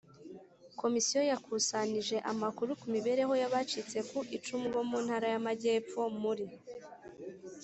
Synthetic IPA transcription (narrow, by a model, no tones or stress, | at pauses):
ko̞misijo̞jakʰusaniʒe̞ʔamakuɾukumiβe̞ɾe̞ɦo̞jaβat͡ʃit͡se̞kuʔit͡ʃumɡo̞muːnhaɾajamaɟe̞ːp͡fo̞muɾi